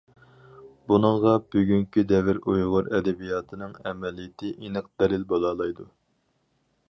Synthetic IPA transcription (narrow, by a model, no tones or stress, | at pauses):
bunɨŋʁɑbyɡʲyŋkʲid̪ɛvɪɾujʁʊɾɛd̪ɛbijɑːt̪ʰɨnɨŋɛmɛlijɪt̪ʰɪʔinɨq̚d̪̥ɛlɪlbolˠɑːlˠɑjd̪u